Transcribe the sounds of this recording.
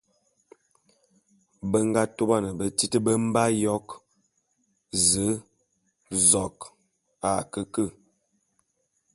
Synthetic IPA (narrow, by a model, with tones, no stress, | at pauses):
bə˦ŋ˦ɡa˦to˦ba˦˨nə˨bə˦ti˦tə˦bə˦m̩˦ba˦jɔ˦k | zə˨˦ | zɔ˨k | a˨kə˦kə˦˨